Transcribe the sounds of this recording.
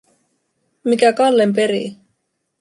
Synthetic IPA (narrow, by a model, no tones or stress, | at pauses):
mikækɑlːemp̬e̞ɾḭ